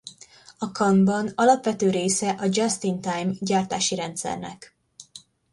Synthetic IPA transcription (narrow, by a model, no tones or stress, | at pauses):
ɒkɒmbɒnɒlɒpʋɛt̪øːɾeːsɛʔɒd͡ʒɒst̪int̪ajmɟaːrt̪a̰ːʃiɾɛnt̪sɛ̰rnɛ̰k